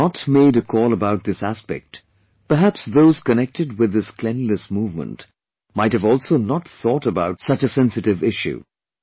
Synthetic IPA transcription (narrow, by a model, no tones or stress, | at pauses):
ətmeɪɾɨkʰɔlˠəbaʊt̪̚ðɪsæspɛ̰k̚t | pə˞ɦæpsðoʊz̥kɨnɛk̚tʰɨd̚wɨðɪskʰl̥ɛ̃nlɨsmuvmə̰̃nt | maɪt̚hɨvɔlˠsoʊnət̪θɔɾəbaʊtsʌt͡ʃɨsɛ̃nsɨɾɨvɪʃʉ̰